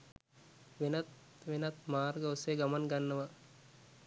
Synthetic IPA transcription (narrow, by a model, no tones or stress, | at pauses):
ʋenat̪ | ʋenat̪maːrɡəuseɡamanɡanːəʋa